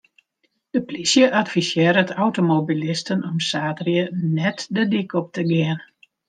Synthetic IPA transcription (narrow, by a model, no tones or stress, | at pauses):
d̥əplisjəʔatfisjɪːɾətʰawtomobilɪstənɔmsaːtrjənɛtdədikɔp̚təɡɪən